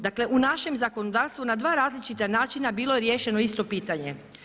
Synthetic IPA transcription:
d̪akle̞ʔunaʃe̞mzako̞nod̪aːɾst̪ʋunad̪ʋaːɾaːzlit͡ʃit̪anaːt͡ʃinabiːlˠo̞je̞ɾjeːʃe̞no̞ist̪o̞piːt̪aɲe̞

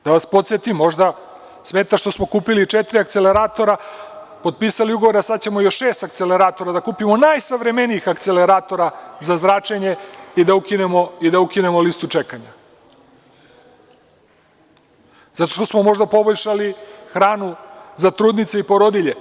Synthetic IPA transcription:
d̪̥aʋaspo̞t̪sjet̪imːo̞ʒd̪a | smeːt̪aʃt̪o̞smo̞kuːpilit͡ʃet̪ɾiak̚t̪se̞le̞ɾaːt̪o̞ɾa | po̞d̪̚piːsaliuɡo̞ʋo̞ɾasad̪t͡ɕemojo̞ʃʃeːst̪ak̚t̪sele̞ɾaːt̪o̞ɾad̪akuːpimo̞najsaʋɾe̞me̞niixakt̪se̞leɾaːt̪o̞ɾazazɾaːt͡ʃeɲe̞id̪aukine̞mo̞id̪aukine̞molist̪ut͡ʃekaɲa | zat̪o̞̥ʃt̪osmo̞mo̞ʒd̪apo̞boʎʲʃalixɾaːnuzat̪ɾuːd̪nit̪seipo̞ɾo̞d̪iʎe̞

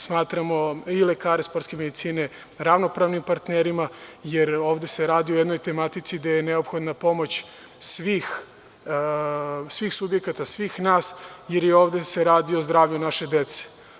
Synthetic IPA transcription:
smaːt̪ɾamo̞ilekaːɾespo̞ɾt̪ske̞med̪it̪siːne̞ | ɾaʋno̞pɾaʋnimpaɾt̪neɾimajeɾoːʋd̪e̞seɾaːd̪io̞jed̪no̞jt̪e̞mat̪it̪sid̪ajeneopxo̞d̪napo̞mo̞t͡ɕ | sʋiːx | sʋiːxsubjekat̪asʋiːxnaːsjeɾjeo̞ːʋd̪e̞seɾaːd̪iozd̪ɾaːʋʎunaʃe̞d̪et̪se̥

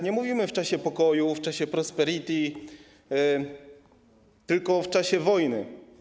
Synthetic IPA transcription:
ɲɛmuvʲimɘft͡ʂaɕɛpɔkɔjuft͡ʂaɕɛpɾɔspɛɾit̪ʲi | t̪ɘlkɔft͡ʂaɕɛvɔjnɘ

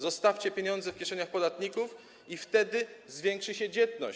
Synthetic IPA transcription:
zɔst̪aft͡ɕɛpʲjeɲɔnd̪zɛfkʲjɛʂɛɲaxpɔd̪at̪ɲikuf | ift̪ɛd̪ɘzvʲjɛŋkʂɘɕɛd͡ʑɛt̪nɔ̰

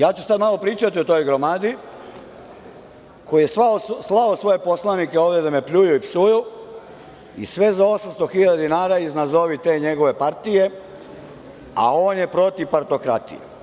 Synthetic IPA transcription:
jaːt͡ʃusad̪malˠo̞pɾiːt͡ʃat̪iot̪o̞jɡɾo̞maːd̪i | ko̞ijesaoslaosʋo̞je̞po̞slˠanikeo̞ːʋd̪ed̪amepʎujuipsuju | ḭsʋe̞zao̞samst̪o̞xiʎad̪ad̪inaːɾaiznazo̞ʋit̪e̞ːɲe̞ɡo̞ʋe̞paɾt̪ije̞ | a̰o̞ːnje̞pɾo̞t̪ipaɾt̪o̞kɾa̰t̪ḭjḛ

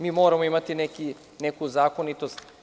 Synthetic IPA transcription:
miːmoːɾamoimat̪ineki | nekuzaːkonit̪ost̪

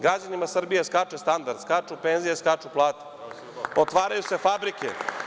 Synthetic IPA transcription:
ɡɾad͡ʑanimasr̩bijeskat͡ʃest̪and̪aɾd̪skat͡ʂupeːnzijeskat͡ʂuplˠaːt̪e̥ | ot̪ʋaːɾajuse̞fabɾikḛ

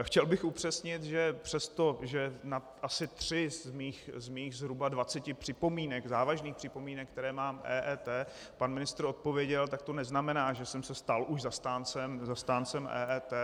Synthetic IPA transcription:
xcɛlbɪxupr̝̥ɛsɲɪt̪ʒɛpr̥ɛst̪o̞ʒɛna | ʔasɪt̪r̝̥ɪzmiːxzmiːxzɦɾubadvat͡sɛcɪpr̥ɪpo̞miːnɛɡzaːvaʒniːxpr̥ɪpomiːnɛkːt̪ɛɾɛːmaːmʔɛːʔɛːt̪ɛː | panmɪnɪst̪ɾo̞t̪̚po̞vjɛɟɛlt̪ak̚t̪o̞nɛznamɛnaːʒɛsɛmsɛst̪alʔuʒzast̪aːnt͡sɛmzast̪aːnt͡sɛmʔɛ̰ːʔɛːt̪ɛː

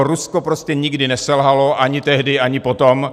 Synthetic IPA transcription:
ɾuskopɾoscɛɲɪɡdɪnɛsɛlɦaloʔaɲɪt̪ɛɦdɪʔaɲɪpot̪om

